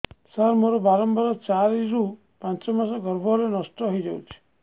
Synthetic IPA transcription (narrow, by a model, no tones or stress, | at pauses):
saɾmoɾɔbaɾɔmbaɾɔt͡ʃaɾiɾu | pãnt͡ʃɔmasɔɡɔɾbʱɔɾenɔsʈɔɦɔjd͡ʒɔwt͡ʃʰi̥